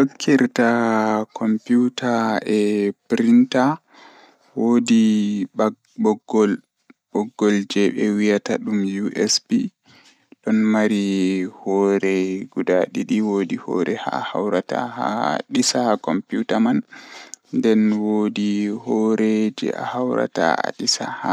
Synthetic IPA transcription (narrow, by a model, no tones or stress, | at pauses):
ɗokʰːiɾtakʰɔmputaɛpɾinta | wodia | bɔɡːɔl | ɓɔɡːɔld͡ʒɛɓɛwijataɗumjuʔɛsbi | ɗɔnmaɾihɔɾɛɡudaɗiɗiwoːdihɔ̰ɾɛha̰hawɾata̰haɗisakɔmpjutaman | ndɛnwoːdihɔɾɛd͡ʒɛ̰a̰hawɾa̰ta̰a̰ɗisaha